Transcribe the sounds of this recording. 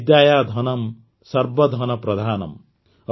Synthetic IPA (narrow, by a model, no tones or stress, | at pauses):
d̪jajad̪ʱʌnʌm | sʌrbʌd̪ʱʌnʌprʌd̪ʱaːnʌ̰m